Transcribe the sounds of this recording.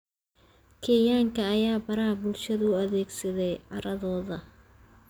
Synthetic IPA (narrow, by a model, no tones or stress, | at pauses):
kʰɛːjaːŋkʰɐːjaːbɐɾɐhɐbʊlʃɐðɐʊɐðɛːɡsɐðɛjʕɑɾɐðɔːðɐ